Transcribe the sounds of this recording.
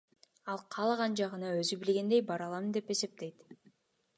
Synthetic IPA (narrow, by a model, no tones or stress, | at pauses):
ɑlˠqʰɑlˠɑʁɑnd͡ʒɑʁɯnɑøzybilɡʲe̞nd̪e̞jbɑɾɑlˠɑmɯnd̪e̞pe̞se̞p̚t̪e̞jt̪